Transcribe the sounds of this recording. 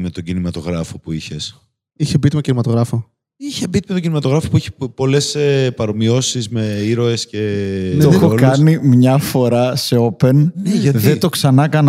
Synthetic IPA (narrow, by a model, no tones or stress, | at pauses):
met̪o̞ɟinimɐt̪o̞ɣɾɐfo̞puiçe̞s | içebit̪imeocinimɐt̪oɣɾɐfo̞ | içebit̪imet̪oɟinimɐt̪o̞ɣɾɐfo̞puiçe̥po̞le̞sepɐɾo̞mio̞sizme̞iɾo̞e̞sce̞ooxokɐnimɲɐfo̞ɾɐse̞o̞pe̞neʝɐðet̪o̞ksɐnɐkɐn